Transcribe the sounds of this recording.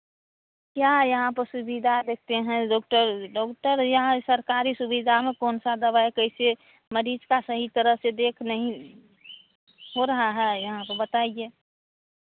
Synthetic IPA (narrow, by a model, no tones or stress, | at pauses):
kjajɐɦãpəɾsubid̪ʱad̪ek̚ʰt̪eɦɛ̃ɖɔːk̚ʈəɾɖɔːkʈəɾjɐɦãsəɾkaɾisubid̪ʱamẽkoːnsad̪əbaekəɪse | məɾiːd͡ʒkasəɦit̪əɾəɦsed̪eːkʰnəɦĩ | ɦoɾɐɦaɦɛjɐɦãpəɾbət̪aie